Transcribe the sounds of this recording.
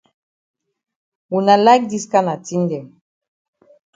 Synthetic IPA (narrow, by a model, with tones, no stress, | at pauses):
wu˨na˨la˦k̚di˦ska˦na˨ti˦ndɛ˨m